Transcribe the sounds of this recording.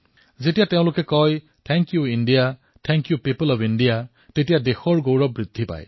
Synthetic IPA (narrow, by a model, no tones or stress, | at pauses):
zetijateʊ̃lʊkɛkɔj | tʰɛŋkjuinɖija | tʰɛŋkjupipɔlɔpinɖija | tetijadexɔɹɡowɹɔbɹid̪ʱːipa̰j